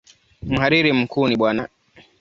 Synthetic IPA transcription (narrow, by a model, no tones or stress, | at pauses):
m̩haɾiɾim̩kuːniɓwana